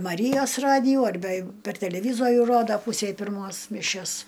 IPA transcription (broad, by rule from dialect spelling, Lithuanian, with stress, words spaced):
mɐˈrʲiːjoːs ˈrɑːdʲɪjuː ɐrʲˈbʲɛ jɛɪˈɡʊ pʲɛr tʲɛlʲɛˈʋʲiːzoːrʲuː ˈroːdɐ ˈpuːsʲɛɪ pʲɪrˈmoːs mʲɪˈʃʲɛs